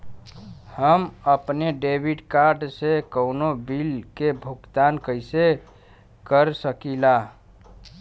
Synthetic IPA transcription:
həməpneɖebʱiɖkaɾɖsekəwnobilkebʱukt̪ankəjse | kəɾsəkila

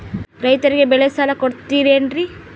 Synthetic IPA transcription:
ɾɐjt̪ɐɾiɡebɛɭesalɐkoɽt̪ːiːɾiɐɳɖɾi

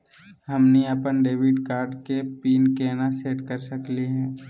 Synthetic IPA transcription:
ɦəmniəpənɖeːʋɪɖkaːɾɖkepiːnkeːnaseːʈkəɾsəkliɦɛ̃ː

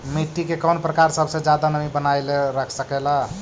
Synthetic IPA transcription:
miʈ̪ːikekənpɾəkaɾsəbʱsẽd͡ʒad̪anəmibənajleɾəkʰsəkɛla

